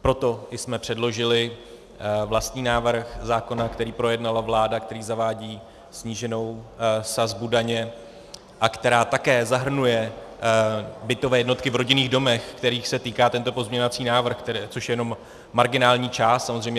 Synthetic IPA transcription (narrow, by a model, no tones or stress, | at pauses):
pɾo̞t̪o̞ʔɪsmɛpr̝̥ɛdlo̞ʒɪlɪ | vlast̪ɲiːnaːvr̩xzaːko̞nakt̪ɛɾiːpɾo̞jɛdnalavlaːdakt̪ɛɾiːzavaːɟiː | sɲiːʒɛno̞wsazbudaɲɛ | ʔakt̪ɛɾaːt̪akɛːzaɦr̩nujɛ | bɪt̪o̞vɛːjɛdno̞t̪kɪvɾo̞ɟɪniːɣdo̞mɛxkt̪ɛɾiːxsɛt̪iːkaːt̪ɛnt̪o̞po̞zmɲɛɲovat͡siːnaːvr̩xkt̪t͡so̞ʃjɛjɛno̞mː | aɾɡɪnaːlɲiːt͡ʃaːst̪samozr̝ɛjmɲɛ